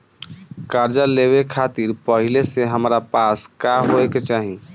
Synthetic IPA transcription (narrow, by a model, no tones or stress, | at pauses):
kaɾd͡ʒaleβekʰat̪iɾpəɦileseɦəmɾapaskaɦoeket͡ʃaɦi